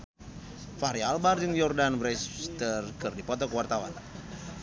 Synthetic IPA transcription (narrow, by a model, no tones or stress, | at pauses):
faɾialbard͡ʒɨŋjɔrdanbɾɛst̪ərkɨrdipɔt̪ɔkəwart̪awa̰n